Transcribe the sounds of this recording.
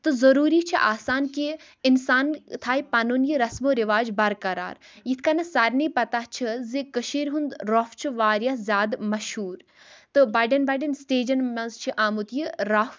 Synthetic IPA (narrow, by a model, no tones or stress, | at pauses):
t̪ɨzɐɾuːɾit͡ʃʰiʔaːsaːnki | ɪnsaːnt̪ʰaːipaːnunjiɾɐsmoːɾiʋaːd͡ʒbɐɾkɐɾa̰ːɾjit̪ʰkanɐsaɾniːpɐt̪aht͡ʃʰɨzikəʃiːɾɦund̪ɾoft͡ʃʰiʋaːɾjazʲjaːd̪mɐʃhuːɾ | t̪ɨbɐɖɐnbɐɖɐnsʈeːd͡ʒɐnmɐzt͡ʃʰiʔaːmut̪jiɾɐf